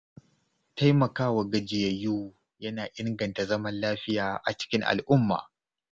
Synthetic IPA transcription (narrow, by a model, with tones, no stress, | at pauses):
ta˦jmɐ˨kaː˦wa˨ɡɐ˦˨d͡ʒɪ˨jɐ˨juː˦ | jɐ˦naː˨ʔɪ˦ŋɡɐ˨nta˨zɐ˦mɐ˦nlaː˦ɸɪ˦jaː˨ʔa˨t͡ʃɪ̥˦kʲɪ˦ŋʔa̰˨lʔʊ˦mːa̰ː˨